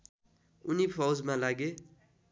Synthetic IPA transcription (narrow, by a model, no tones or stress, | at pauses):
unipʰawd͡zmãlaɡe